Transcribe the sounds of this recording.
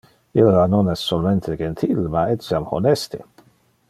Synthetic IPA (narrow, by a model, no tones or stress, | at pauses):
ilːanonɛsːolment̪ʰed͡ʒent̪ʰilmaɛsjamho̰nɛst̪ḛ